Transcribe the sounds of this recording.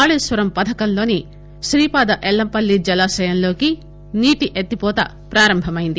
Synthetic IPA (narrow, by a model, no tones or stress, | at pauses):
aːɭusʋɐɾɐmpɐd̪ʰʱɐkɐnlo̞ːni | ʃɾiːpaːd̪ɐʔɛlːɐmpɐlːid͡ʒɐlaːsɐjɐnlo̞ːki | niːʈiʔet̪ːipɔːt̪ɐ̰ | pɾaːɾɐmbʱɐmɐjind̪i